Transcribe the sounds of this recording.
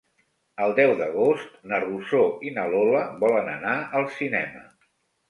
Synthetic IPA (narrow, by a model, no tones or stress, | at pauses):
əlˠd̪ɛwd̪əɣ̞ost̪nərusoinəloləβɔlənənaʔəlˠsinɛ̰mə